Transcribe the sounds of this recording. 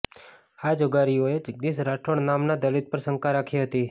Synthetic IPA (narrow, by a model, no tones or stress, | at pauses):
ad͡ʒoɡaɾioed͡ʒəɡ̚d̪isɾaʈʰoɳnamnad̪əlit̪̚pəɾsəŋkaɾakʰiɦət̪i